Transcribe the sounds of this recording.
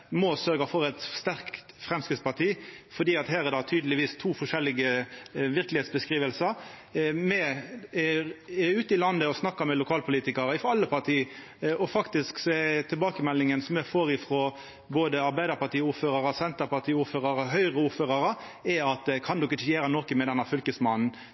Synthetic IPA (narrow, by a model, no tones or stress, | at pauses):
mɔsœɾɡɑfɔɾɛt̪st̪æɾkt̪fɾɛmskɾɪt̪spɑʈ̪ʰiːfɔd̪iːɑt̪hæːɾɛd̪ɑt̪ʰyːd̪əlɪʋiːst̪ʰuːfɔʂɛlːɪɡəʋɪɾklɪheːt̪sbəskɾiːʋəlsəɾmɛ | ʉːt̪əɪlɑnːəɔsnɑkːɑmɛlʊkʰɑːlpʰʊliːt̪ɪkɑɾəɪfɔɑlːəpʰɑʁt̪ʰiː | ɔfɑkt̪ɪsksɔɛt̪ʰɪlbɑːkəmɛlːɪŋənsɔmɛfoːɾɪfɾoː | boːd̪əɑɾbæɪd̪əɾpɑʈ̪iːuːɾføːɾɑɾəsɛnt̪əɾpɑʈ̪ʰiːuːɾføːʁɑɾəɦœʏʁəuːɾføːʁɑɾə | ɛɑt̪̚d̪ɛkʰɑnd̪ɔkːət͡ʃeːɾənɔkəmɛd̪ɛnːəfʏlkəsmɑnn̩